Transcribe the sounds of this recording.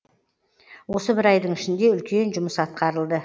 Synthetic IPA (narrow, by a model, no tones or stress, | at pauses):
wo̞səbɪɾɑjd̪əɴɪʃɪnd̪e̞ʏlkʲe̞nʒʊməsɑt̪̚qɑɾəlˠd̪ə